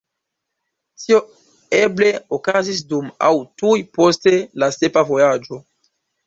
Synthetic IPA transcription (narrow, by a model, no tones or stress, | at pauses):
tʰio | ebleokazis̬duma̰wtujpostelasepavojad͡ʒo